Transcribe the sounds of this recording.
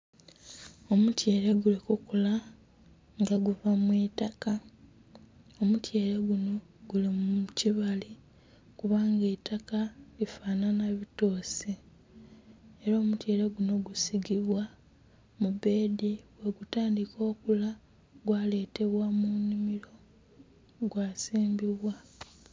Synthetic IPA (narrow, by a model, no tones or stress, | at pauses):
o̞mutjeːɾe̞ɡulikukula | ŋɡaɡuvamwiːtaka | o̞mutje̞ːɾe̞ɡuno̞ | ɡulimuciβali | kuβaːŋɡetakalifaːnanaβito̞ːsi | eɾaːmutje̞ːɾeɡuno̞ɡusiɡiβwa | mube̞ːdiweɡutaːndikʰo̞ːkula | ɡwaːle̞ːte̞βwamunimiɾo̞ | ɡwaːsiːmbiβwa